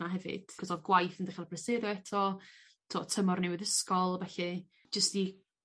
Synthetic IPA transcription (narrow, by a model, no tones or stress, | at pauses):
aɦɛvɨ̰d̥ʰɔsɔðɡwajθəndiχalpbrɛsɪɾjɔɛtʰɔ | tʰotʰəmɔrnɪwɪðəskɔlˠbɛɬɨ | d͡ʒəsti